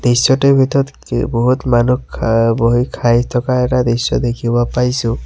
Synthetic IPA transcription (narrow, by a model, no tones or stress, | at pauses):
d̪̥isjɔtɛbʱit̪ɔt | boɦutmanukboɦikʰajtʰɔkaɛtad̪isɔ̰d̪ekʰibɔpajsʊ̃